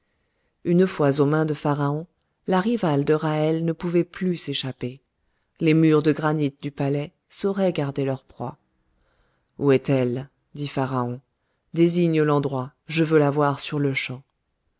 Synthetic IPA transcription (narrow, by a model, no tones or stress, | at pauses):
ynfwazomɛ̃d̪əfaʁaɔ̃ | laʁivald̪əʁaɛlnəpuvɛplyseʃape | lemyʁd̪əɡʁanit̪̚d̪ypalɛ | sɔʁɛɡaʁd̪elœʁpχwa̰ | uɛt̪ɛl | d̪ifaʁaɔ̃ | d̪eziɲlɑ̃d̪ʁwaʒəvølavwaʁsyʁləʃɑ̃